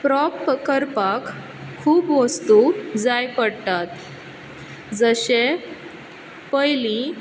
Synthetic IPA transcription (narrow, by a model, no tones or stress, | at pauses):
pɾɔpkəɾpakʰː | uːbʋəst̪ud͡zajpəɽt̪at̪ | d͡zəɕe | pəjlĩ